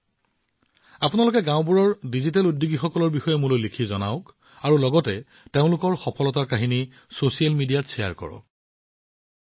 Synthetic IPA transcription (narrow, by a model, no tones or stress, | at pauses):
apʊnalʊkɛɡãʊ̃buɹɔɹdizitaludːuɡixɔkɔlɔɹbixɔjɛmʊlolikʰizɔna̰ʊk | aɹulɔɡɔtɛ | teʊ̃lʊkɔɹxɔpʰɔlɔtaɹkaɦini | sosialmidijatsɛja̰ɹkɔ̰ɹɔ̰